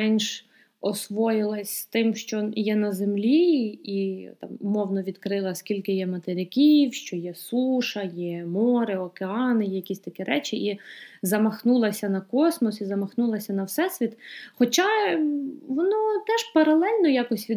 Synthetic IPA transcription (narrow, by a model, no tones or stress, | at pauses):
ɛnʲʃ | ɔsʋɔjɪlˠɐsʲt̪ɪmʃt͡ʃɔjɛnɐzemlʲiit̪ɑ̰mʊmɔwnɔʋʲid̪kɾɪlˠɐskʲilʲkɪjɛmɐt̪eɾʲɪkʲiwʃt͡ʃɔjɛsuʃɐjɛmɔɾɪɔkeɑnɪjɛjɐkʲisʲt̪ɐkʲɛɾɛt͡ʃɪʔizɐmɐxnulˠɐsʲɐnɐkɔsmɔsizɐmɐxnulˠɐsʲɐnɐwsɛsʲʋʲit̪xɔt͡ʃɑ | ʋɔnɔt̪ɛʒpɐɾɐlˠɛlʲnɔjɑkɔsʲʋʲi